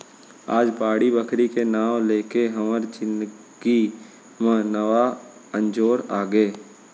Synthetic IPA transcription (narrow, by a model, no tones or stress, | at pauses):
a̰ːd͡ʒbaːɽibəkʰɾikenaːwleːkeɦɐməɾd͡ʒɪ̃n | ɡ̥i | mẽnəʋa | ə̃nd͡ʒoːɾaːɡəeː